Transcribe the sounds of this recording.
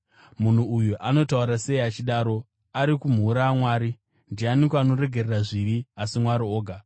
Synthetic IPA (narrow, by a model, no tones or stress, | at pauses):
mun̤uːjuʔano̞tauɾase̞iat͡ʃiɗaːɾo̞ | aɾikum̤uːɾaamwaːɾi | ndianikano̞ɾe̞ɡʱe̞reraʐiɾiasimwaɾio̞ːɡʱa